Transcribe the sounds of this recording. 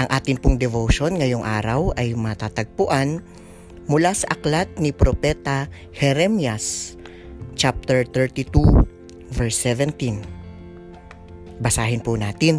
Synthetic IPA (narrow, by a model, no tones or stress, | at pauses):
ʔɐŋʔaːt̪ɪnpʊŋd̪ɛvoʃonŋɐjoŋʔa̰ːɾɐwʔɐjmɐt̪aːt̪ɐɡ̚pʊʔan | mʊlasɐʔɐklat̪̚nipɾopɛt̪ɐ | hɛɾɛmjas | t͡ʃap̚t̪ɛɹt̪ɛɹt̪it̪u | vɛɹsːɛvɛnt̪in | bɐsaːɦɪnpʊnaːt̪ɪn